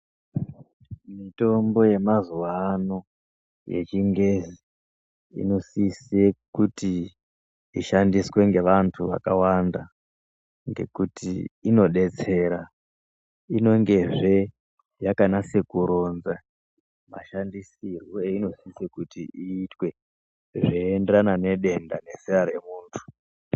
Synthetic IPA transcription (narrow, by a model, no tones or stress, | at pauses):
mito̞mbo̞je̞mazuwano̞ | jḛt͡ʃiŋɡezi | ḭno̞sisekuti | iʃandiswe̞ŋɡe̞ʋantʰuʋa̰kawanda | ŋɡe̞̰kutiːno̞ɗe̞t͡se̞ːɾa | ino̞ŋɡe̞ʐe̞ | jakanase̞kuɾo̞nza | ma̰ʃandisirwoeino̞sisekutiiːtwe̞ | ʐeːndeɾanane̞ɗe̞ndane̞seaɾe̞muːntʰu̥